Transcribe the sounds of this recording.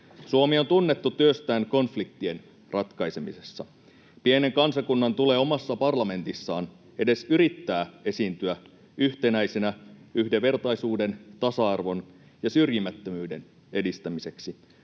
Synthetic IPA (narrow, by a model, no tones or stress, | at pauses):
suomio̞nt̪unːe̞t̪ːut̪yøst̪æːnko̞nflik̚t̪ie̞n | rʔɑt̪kɑjse̞mise̞sːɑ | piene̞ŋkɑnsɑkunːɑnt̪ule̞ːo̞mɑsːɑpɑrlɑme̞nt̪isːɑːn | e̞de̞syɾit̪ːæːe̞siːnt̪yæ | yht̪e̞næjse̞næyhde̞ʋe̞rt̪ɑjsuːde̞nt̪ɑsɑɑrʋo̞n | jɑsyrjimæt̪ːømyːde̞n | e̞dist̪æmise̞ksi